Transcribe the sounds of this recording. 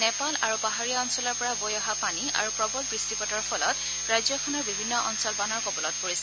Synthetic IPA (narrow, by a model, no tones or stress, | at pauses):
nɛpalaɹupaɦaɹijaɔnsɔlɔɹpɔɹabojɔɦapania̰ɹupɹɔbɔlbɹistipɔtɔɹpʰɔlɔt | ɹajzɔkʰɔnɔɹbibʱinːɔʔɔ̰nsɔlbanɔɹkɔbɔlɔt̚poɹisɛ̥